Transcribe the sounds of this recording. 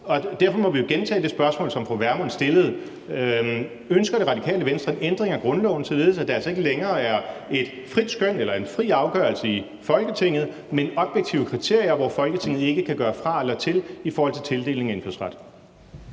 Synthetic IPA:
ɒ̽d̥æɐ̰fɒ̽mɒ̽ʋijoɡ̥ent͡sʰɛ̰ːd̥e̝sb̥ɶɐsmɔ̰̽ːlsɒ̽mfʁɒʋæɐmon̩sd̥e̝ləð̞̩ˠ | ønsɡ̥ɐɾ̥e̝ʁɑ̈d̥ikʰɛ̰ːləʋensd̥ʁɐe̝nend̥ʁeŋæɡ̥ʁɔ̽nlɒʊnəsɒ̽le̝ð̩ˠsæd̥ɑ̈ælsɐe̝ɡəleŋɐːæɐe̝d̥ | fʁid̥sɡ̥øn̰elɐe̝nfʁḭːɑ̈ʊɡ̥œ̰ɐlsəi | fɒ̽lɡ̥ət͡sʰe̝ŋ̰ð̩ˠ | menɒ̽b̥jeɡ̥̚t͡sʰiʊəkʰʁit͡sʰe̝ɐ̰ijɐʋɒfɒ̽lɡ̥ət͡sʰe̝ŋ̰ð̞̩ˠe̝ɡ̥əkʰæɡ̥ɶːɐfʁɑ̈elɐt͡sʰe̝lifɔːhɒ̽l̰t͡sʰe̝lt͡sʰe̝ld̥e̝̰ːle̝ŋæe̝nføɐ̰sʁɑd̥

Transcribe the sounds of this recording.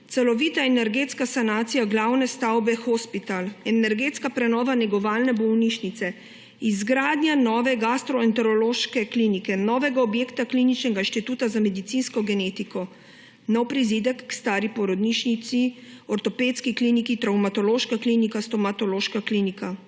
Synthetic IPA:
t̪sɛlɔʋiːt̪aɛnɛɾɡeːt̪skasanaːt̪sijaɡlawnɛst̪awbɛxɔspit̪alɛnɛɾɡeːt̪skapɾɛnɔːʋanɛɡɔʋaːlnɛbɔwniʃnit̪sɛ | izɡɾaːd̪njanɔːʋɛɡast̪ɾɔɛnt̪ɔɾɔloːʃkɛklinikɛnɔːʋɛɡaɔbjeːkt̪aklinit͡ʃnɛɡaiʃt̪it̪uːt̪azamɛd̪it̪sinskɔɡɛneːt̪ikɔ | nɔwpɾizid̪ɛkːst̪aːɾipɔɾɔd̪niʃnit̪siɔɾt̪ɔpeːt̪skiklinikit̪ɾawmat̪ɔloːʃkaklinikast̪ɔmat̪ɔloːʃkaklinika

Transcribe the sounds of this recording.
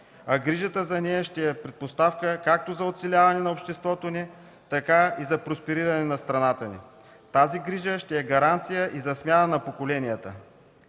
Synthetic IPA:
ɐɡɾiʒət̪əzɐnɛjəʃt̪ɛɛpɾɛt̪̚post̪afkəkak̚t̪ozɐot̪sɛlʲavɐnɛnɐopʃt̪ɛst̪vɔt̪oni | t̪ɐkaizɐpɾospɛɾiɾɐnɛnɐst̪ɾɐnat̪ənḭ | t̪aziɡɾiʒəʃt̪ɛɛɡɐɾant̪sijəʔizɐsmʲjanənɐpokolɛnijət̪ə̰

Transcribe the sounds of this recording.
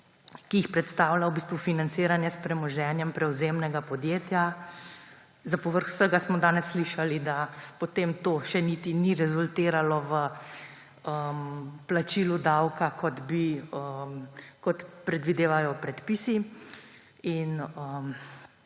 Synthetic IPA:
kiixpɾɛt̪st̪aːwlawbiːst̪ʋufinant̪seːɾanjɛspɾɛmɔʒɛnjɛmpɾɛwzemnɛɡapɔd̪jeːt̪ja | zapɔʋəɾxw̥səɡasmɔd̪aːnɛsːliʃalid̪apɔt̪eːmt̪oːʃɛnit̪iniɾɛzult̪eːɾalɔʋə | əmplat͡ʃilud̪awkakʰɔt̪biəmkɔt̪pɾɛd̪ʋid̪eːʋajɔpɾɛt̪pisi | inəm

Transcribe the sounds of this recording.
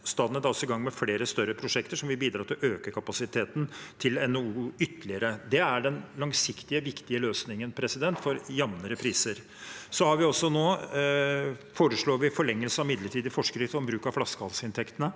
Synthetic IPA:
st̪ɑːd̪ənæd̪ɑɔsːɔɪɡɑŋːmɛfleːɾəst̪œɾːəpʰɾʊʂɛkt̪əʂɔmʋɪbiːd̪ɾɑːt̪ʰɪløːkəkʰɑpɑsɪt̪ʰeːt̪n̩t̪ʰɪlɛnɔuːʏt̪əlɪəɾəd̪ɛæɖɛnlɑŋsɪkt̪ɪəʋɪkt̪ɪəløːsnɪŋənpʰɾɛsɪd̪ɛnt̪fɔɾjɑmnəɾəpʰɾiːsəɾ | sɔhɑɾʋɪɔsːɔnoː | foːɾəʂɭoːɾʋɪfɔɭɛŋːəlsəɑmɪd̪ləʈʰiːd̪ɪfɔʂkɾɪsɔmbɾʉːkɑʋflɑskəhɑlsɪnt̪ʰɛkt̪ənə

